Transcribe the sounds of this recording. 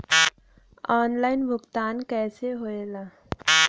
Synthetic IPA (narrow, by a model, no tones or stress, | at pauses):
aːnlaːɪnbʱʊkt̪aːnkɛːseɦoːelaː